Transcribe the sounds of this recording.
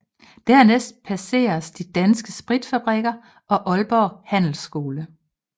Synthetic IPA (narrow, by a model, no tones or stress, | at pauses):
d̥æɐ̰nesd̥̚pʰæse̝̰ːɐsd̥id̥ænsɡ̥əsb̥ʁid̥fæb̥ʁɛɡ̥ɐ | ʔɒ̽ʔɒ̽lb̥ɒhæn̰l̩sɡ̥o̝ːlə